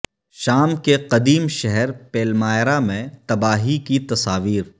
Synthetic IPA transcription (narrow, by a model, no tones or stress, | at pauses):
ʃaːmkeqɐd̪iːmʃɛɦɛɾpeːlmaːjɾamẽt̪ɐbaːɦikit̪ɐsaːʋiːɾ